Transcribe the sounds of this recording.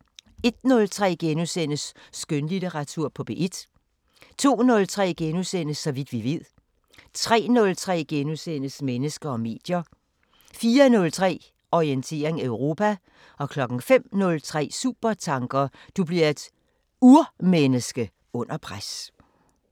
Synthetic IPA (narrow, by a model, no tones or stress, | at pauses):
e̝d̥̚nɔ̽lt͡sʰʁɛ̰ːɡ̥enusen̰əsːɡ̥ønlid̥eʁɑ̈t͡sʰuɐ̰pʰɒ̽b̥e̝̰ʔe̝d̥ | t͡sʰo̝̰ːnɔ̽lt͡sʰʁɛ̰ːɡ̥enusen̰əsːɒ̽ʋid̥ʋiʋe̝ð̰ˠ | t͡sʰʁɛ̰ːnɔ̽lt͡sʰʁɛ̰ːɡ̥enusen̰əsmenəsɡ̥ɐɒ̽me̝̰ːd̥jɐ | fiːɐnɔ̽lt͡sʰʁɛ̰ː | ɒient͡sʰe̝̰ːɐeŋæøʊʁo̝ːpʰæ | ɒ̽kʰlɒ̽ɡ̥n̩fem̰nɔ̽lt͡sʰʁɛ̰ːsṵːb̥ɐt͡sʰɑ̈ŋɡ̥ɐd̥ub̥liɐe̝d̥ | uɐmenəsɡ̥ə | ɔ̽n̰ɐpʰʁas